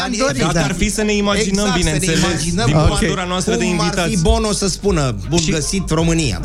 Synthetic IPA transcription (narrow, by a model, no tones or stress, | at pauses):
aoɾaarfisəne̞imad͡ʒinnəmbinenelesd͡ʒinədiooet̪uɾanoast̪ɾəd̪einviraibo̞no̞səspunə | buiɡəsit̪ro̞mɨnija̰